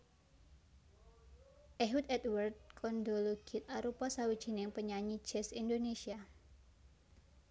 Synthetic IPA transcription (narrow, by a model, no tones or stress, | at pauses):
ʔeɦut̪ɛt̪̚wərd̪̚kʰɔndoloɡ̥ɪt̪̚aɾupasawid̥ʒ̥i̤nɪŋpəɲaɲi̥d͡ʒ̥ɛsindonesia